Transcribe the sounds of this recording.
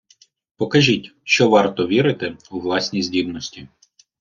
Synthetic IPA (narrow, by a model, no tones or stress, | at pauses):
pɔkɐʒʲitʲʃt͡ʃɔʋɑrt̪ɔʋʲiɾɪt̪ɪuʋlˠɑsʲnʲijzʲdʲibnɔsʲtʲi